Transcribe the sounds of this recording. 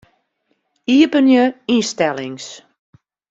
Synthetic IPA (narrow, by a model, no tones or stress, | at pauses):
iəpənjəistɛlɪŋs